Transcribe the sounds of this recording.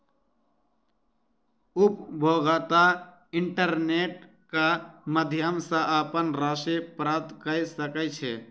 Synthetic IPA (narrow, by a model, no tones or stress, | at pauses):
upbʱoɡət̪a | ɪɳʈəɾneʈ | kaməd̪ʱijəmsə̃ʔəpənɾasepɾap̚t̪kəjsəkət͡ʃʰe